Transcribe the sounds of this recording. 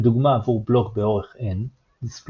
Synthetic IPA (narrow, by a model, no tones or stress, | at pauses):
d̪uɡmaːvuʁblo̞kbe̞o̞ʁe̞χʔen | isp